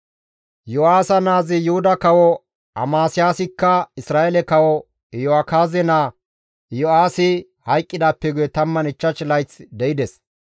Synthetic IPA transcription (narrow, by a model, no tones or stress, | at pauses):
jɔaːsɐnaːzɪjʊhʊd̪ɐkɐwɔ | ɐ̰maːsɪjaːsɪkːɐɪsɾaːʔɛlɛkɐwɔ | jɔakaːzɛnaː | jɔaːsɪ | hɐjkʼːɪd̪aːpːɛɡʊjɛt̪ɐmːɐnɪt͡ʃːɐt͡ʃlɐjt͡sd̪ɛɪd̪ɛs